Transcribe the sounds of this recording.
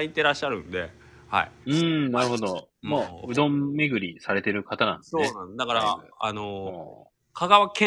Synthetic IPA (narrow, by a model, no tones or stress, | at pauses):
ait̪eɾaɕːaɾɯ̟̰̃nd̪e̞̰ | ha̰ḭɯ̟̃ːnaɾɯ̟ɦo̞d̪o̞maɯ̟d̪õ̞mːe̞ɡɯ̟ɾʲisaɾe̞t̪e̞ɾɯ̟kat̪anã̰nsoeːnãd̪akaɾaano | kʰaɡaβakẽ